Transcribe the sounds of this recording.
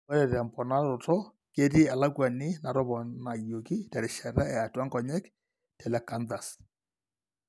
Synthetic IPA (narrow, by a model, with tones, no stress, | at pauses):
ɔ˦ɾɛ˨ɾɛ˨mpɔ˨na˦ɾo˨tɔ˦ | ke˦ti˦ɛ˨la˦kwa˨nɪ˦na˨ɾɔ˦βɔ˨na˨jo˨ki˦tɛ˨ɾɪ˨ʃɛ˨ɾa˦ɛ˨a˨twa˦ŋɡɔ˨ɲɛ˦k | tɛ˨lɛ˨ka˨nda˨s